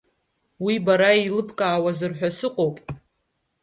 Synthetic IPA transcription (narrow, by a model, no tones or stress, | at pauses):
wibaɾailɨpʰkʼaːwazɨrħᶣʷasɨqʼowpʼ